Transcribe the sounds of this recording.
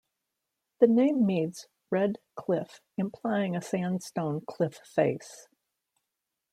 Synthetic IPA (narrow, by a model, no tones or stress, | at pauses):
ðɨnẽɪ̃mːidz̥ | ɹɛd̚kʰl̥ɪf | ɨ̃mpʰl̥aɪɪ̃ŋɨsæ̃nstõʊ̃nkʰl̥ɪffeɪs